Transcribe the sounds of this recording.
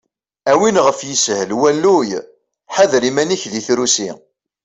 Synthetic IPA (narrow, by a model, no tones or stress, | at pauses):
æwinʁəfjəshəlwælːuj | ħaðɾimæniçðiθɾusḭ